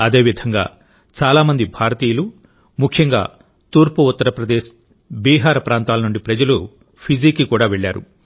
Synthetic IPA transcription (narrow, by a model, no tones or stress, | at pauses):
ɐd̪e̞ːʋid̪ʱɐŋɡa̰ː | t͡ʃaːlaːmɐnd̪ibʱaːɾɐt̪iːjɐlu | mukʰjɐŋɡa̰ː | t̪uːɾpuut̪ːɐɾɐpɾɐd̪eːʃ | biːɦaːɾɐpɾaːnt̪aːlɐnuɳɖipɾɐd͡ʒɐlu | pʰid͡ʒiːkːikuːɽaːʋeɭːaːɾṵ